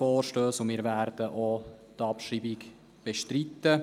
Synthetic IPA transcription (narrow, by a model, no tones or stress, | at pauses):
fɔːɾʃtøːsʊnmɪːɾvæɾd̥əʔo | t̪ɑpʃiːbɪk | b̥ɛʃtɾit̪ːə